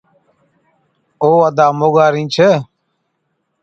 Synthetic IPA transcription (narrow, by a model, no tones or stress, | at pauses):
oːəd̪aːmoːɠaːɾĩːt͡ʃʰeː